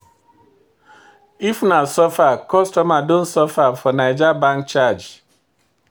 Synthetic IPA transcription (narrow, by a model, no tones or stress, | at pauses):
ifnasɔfakɔstɔmadõnsɔfafɔnaɪd͡ʒabãŋk̚t͡ʃad͡ʒ